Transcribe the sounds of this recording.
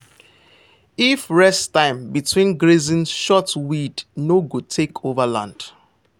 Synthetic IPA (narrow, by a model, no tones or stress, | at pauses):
ifɹɛstãɪ̃mbitʰwĩnɡɹezĩnʃɔtwidnoɡud̚tʰekʰovəlã̰nd̥